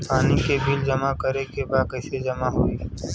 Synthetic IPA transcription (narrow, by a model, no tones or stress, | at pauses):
paːnikebild͡ʒɐmakəɾekebaːd̪̚kəɪsed͡ʒɐmaɦoːiː